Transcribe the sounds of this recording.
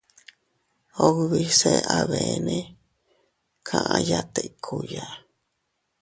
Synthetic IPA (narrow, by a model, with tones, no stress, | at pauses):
o˧ɣβi˦se˧ʔa˧βe˨˧nẽ˦ | kʰã˧ʔã˧ja˦˧t̪e˧ʔkʰu˨ja˨